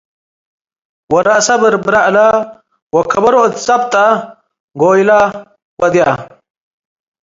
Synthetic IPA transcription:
wɐɾɐʔsɐbɨɾbɾɐʔla | wɐkʰːɐbɐɾot̪t͡sʼɐb̚t̪ʼɐ | ɡoːjla | wɐd̪ja

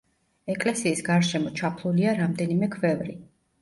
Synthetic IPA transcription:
ɛkʼlɛsiːsɡaɾʃɛmɔt͡ʃʰapʰluliaɾamd̪ɛnimɛkʰvɛvɾi

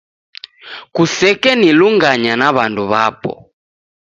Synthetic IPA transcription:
kusɛkɛniluŋɡaɲanaβanduβapɔ̰

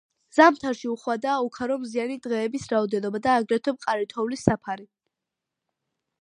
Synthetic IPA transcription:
z̥amt̪ʰaɾʃiuχwad̪aːukʰaɾɔmzianid̪ʁɛːbisɾaɔd̪ɛnɔbad̪aːɡɾɛt̪ʰɔb̚qʼaɾit̪ʰɔvlisːapʰaɾi

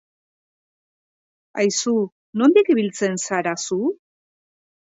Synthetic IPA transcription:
ajsu | no̞nd̪ikβilt͡se̞nsaɾasu

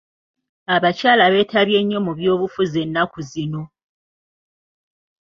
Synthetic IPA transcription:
aβacaːlaβe̞ːtʰaβje̞ɲːo̞muβjo̞ːβufuze̞nːakuzino̞

